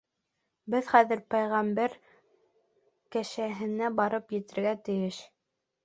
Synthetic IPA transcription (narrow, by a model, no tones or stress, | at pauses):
bɘðχæðɘ̆ɾpɑjʁɑmbæɾ | kæʃæɦɘ̆næbɑɾɤpjɘ̆t̪ɘ̆ɾɡæt̪ɘ̆jɘʃ